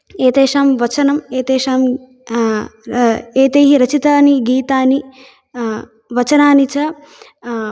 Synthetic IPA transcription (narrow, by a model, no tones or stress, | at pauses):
eːt̪eːʃaːmʋɐt͡ʃɐnɐmeːt̪eːʃaːm | eːt̪eːɦiɾɐt͡ʃit̪aːniɡiːt̪aːni | ʋɐt͡ʃɐnaːnit͡ʃɐ